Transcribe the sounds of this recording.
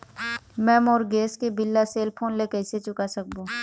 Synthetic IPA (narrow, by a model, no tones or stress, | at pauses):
mɛ̃ːmɔːɾɡeːskebɪlːaseːlpʰoːnlekɛːset͡ʃʊkasɐk̚bõː